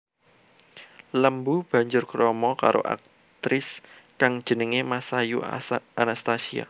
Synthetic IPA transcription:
ləmbub̥ä̤ɲd͡ʒʊrkɾɔmɔka̰ɾo̰ʔa̰k̚ | t̪ɾɪskaŋ̥ʒ̥ə̤nəŋemasajuanast̪asia̰

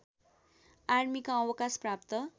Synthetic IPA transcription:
aɾmikãʌwʌkasprapt̪ʌ

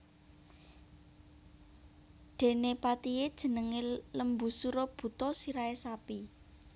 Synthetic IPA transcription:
ɖ̪̥e̤nepat̪ied̥ʒ̥ə̤nəŋeləmbṳsuɾɔb̥ṳt̪ɔsiɾaesapi

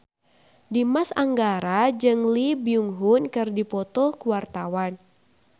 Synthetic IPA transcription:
dimasaŋɡaɾad͡ʒɨŋlibiuŋɦunkɨrdipɔt̪ɔkuwart̪awan

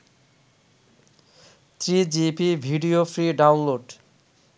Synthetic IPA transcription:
t̪ʰɾid͡ʑipibʱiɖiofʰɾiɖawnloɖ

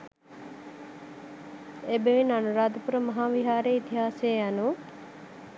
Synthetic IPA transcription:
ebeʋinanuɾaːd̪əpuɾəmɐɦaːʋiɦaːɾeːit̪iɦaːsejanu

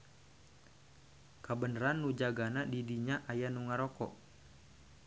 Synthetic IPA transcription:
kabənəɾanːud͡ʒaɡanadidiɲaʔajanuŋaɾɔkɔ̰ʔ

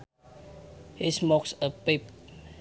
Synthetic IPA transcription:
hismoksəpɪp

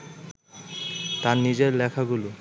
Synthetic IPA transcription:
t̪anid͡ʑeɾlɛkʰaɡulu

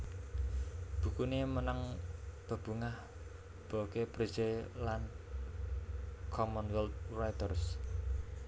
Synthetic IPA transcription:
b̥ṳkunemənaŋb̥ə̤b̥uŋah | b̥okebɾiselan | kʰɔmənwɛlt̪̚rajt̪ərs

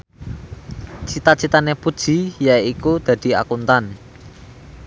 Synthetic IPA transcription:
t͡ʃit̪at͡ʃit̪anepud̥ʒ̥i̤jaikud̪̥ä̤d̪̥i̤a̰kunt̪an

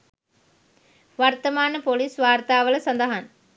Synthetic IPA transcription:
ʋɐɾt̪ɐmaːnɐpoːliːsʋaːɾt̪aːʋɐlɐsɐnd̪ɐɦaːn

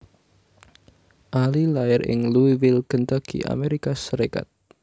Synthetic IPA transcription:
ʔalilaɪɾʔɪ̰ŋluiwilɡ̥ənt̪aɡḭʔa̰meɾikasəɾeka̰t̪̚

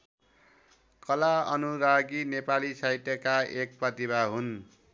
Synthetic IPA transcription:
kʌlaʌ̰nuɾaɡinepalisʰajʈʌkaʔek̚prʌt̪ibʱaɦun

